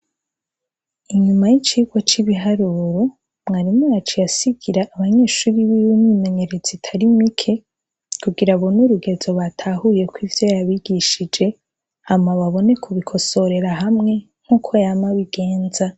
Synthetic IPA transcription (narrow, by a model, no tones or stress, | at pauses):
iɲumajit͡ʃiːɡwat͡ʃiβiɦaɾuɾo | mŋaːɾimŋojat͡ʃijasiɡiɾaʔːβaɲe̞ːʃuɾiβiwuniːme̞ɲe̞ɾet͡sitʰaɾimikʰe̞ | kʰuɡiɾaβonuɾuɡe̞zo̞βatʰahuje̞kwivjo̞jaβiɡ̥iʃid͡ʒe̞ | hamaβaβo̞ne̞kʰuβikʰo̞so̞ɾe̞ɾaɦamŋe̞ | ŋ̥uːkʰo̞jamaβiɡ̥e̞ːnza